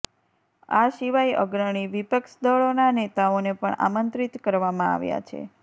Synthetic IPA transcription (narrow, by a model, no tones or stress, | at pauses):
aʃiʋajə̰ɡɾəɽ̃iʋipəkʃd̪ɔɭonanet̪aonepəɳa̰mənt̪ɾit̪kəɾʋamãa̰ʋja̰t͡ʃʰḛ